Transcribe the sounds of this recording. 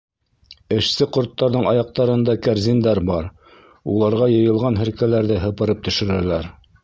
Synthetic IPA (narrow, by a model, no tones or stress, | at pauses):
ɘ̆ʃsɘqŏɾt̪ːɑɾðɤɴɑjɑq̚t̪ɑɾɤ̆nd̪ɑkæɾzʲind̪æɾbɑɾ | ulˠɑɾʁɑjɤ̆jɤ̆lˠʁɑnɦɘ̆ɾkælæɾðɘɦɤ̆pɤ̆ɾɤp̚t̪ɵ̆ʃɘ̆ɾælæɾ